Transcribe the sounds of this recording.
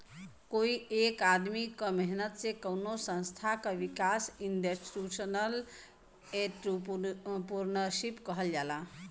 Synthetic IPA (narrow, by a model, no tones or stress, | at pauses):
koiekad̪mikəmeɦnət̪sekəwnosə̃nst̪ʰakaʋikasindesɾusənəl | eʈupuɾnəʃipkəɦəljala